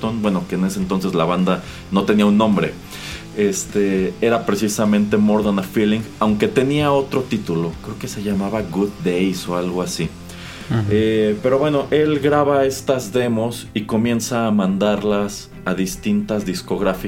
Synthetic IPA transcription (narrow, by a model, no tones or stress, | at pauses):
t̪onbwe̞no̞ke̞ːne̞sent̪o̞ns̬e̞zlaβand̪a | no̞t̪e̞niaunːõ̞mbɾe̞̰ | est̪ee̞ɾapɾe̞sisamẽnt̪e̞moɾðanafiliŋɡawŋke̞t̪e̞niao̞t̪ɾo̞t̪it̪ulo̞kɾe̞oke̞se̞ʝamaβaɣuð̚dejso̞alɣo̞asi | epe̞ɾo̞βwe̞no̞ʔe̞lɡɾaβae̞st̪azðe̞mo̞s | iko̞mje̞nsaːmãnd̪aɾlas | aðist̪int̪azðisko̞ɣɾafi